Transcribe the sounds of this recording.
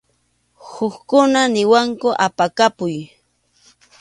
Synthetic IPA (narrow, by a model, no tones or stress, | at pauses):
hʊkkʊnanɪwaŋkʊʔapakapʊj